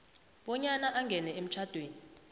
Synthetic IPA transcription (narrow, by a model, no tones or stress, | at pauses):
ɓɔɲanaʔaŋɡʱɛnɛem̩t͡ʃʰad̥ʱweːni